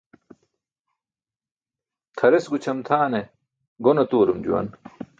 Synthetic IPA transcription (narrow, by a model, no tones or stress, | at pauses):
t̪ʰɐɾesɡut͡ɕʰɐmt̪ʰaːne | ɡonɐt̪uːɾumd͡ʑṵwɐ̰n